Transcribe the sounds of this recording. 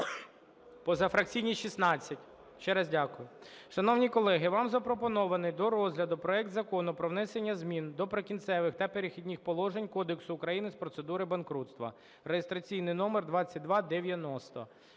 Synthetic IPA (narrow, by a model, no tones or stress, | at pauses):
pɔzɐfɾɐk̚t͡sʲijnʲiʃisnɑt͡sʲːɐtʲ | ʃt͡ʃɛɾɐzdʲakʊjʊ | ʃɐnɔwnʲikɔlˠɛɦɪʋɑmzɐpɾɔpɔnɔʋɐnɪjd̪ɔɾɔzʲɦlʲɐd̪ʊpɾɔɛk̚t̪zɐkɔnʊpɾɔʋnɛsenʲːɐzmʲind̪ɔpɾekʲint̪sɛʋɪxt̪ɐpeɾɪxʲidʲnʲixpɔlˠɔʒenʲkɔd̪eksʊːkɾɐjinɪspɾɔt̪sed̪uɾɪbɐnkɾut̪st̪ʋɐ̰ | rejest̪ɾɐt͡sʲijnɪjnɔmerd̪ʋɑt͡sʲːɐt̚ʲd̪ʋɑd̪eʋʲjɐnɔst̪ɔ̰